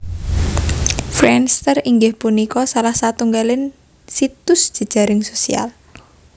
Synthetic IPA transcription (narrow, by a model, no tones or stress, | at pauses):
fɾɛnst̪əriŋɡɪhpunikɔsalahsat̪uŋɡalɪn | sit̪ʊsd̥ʒ̥ə̤d̥ʒ̥a̤ɾɪŋsosḭa̰l